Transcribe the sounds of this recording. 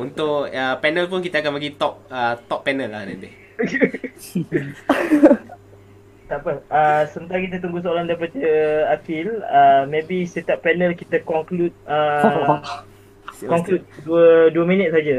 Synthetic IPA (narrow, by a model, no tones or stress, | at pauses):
unt̪ʊkəpɛnəlpʊnkit̪aakanpəɡit̪ɔp̚ət̪ɔpːɛnəlːahna̰nt̪e | oke | t̪aʔpəəsəmənt̪aakit̪̬at̪uŋɡusəolandaip̬at̪əakɪləmẽbiset̪aʔpːɛnəlkit̪akɔŋklut̪̚ə | kɔŋklut̪̚duəduəmĩnət̪̚sad͡ʒa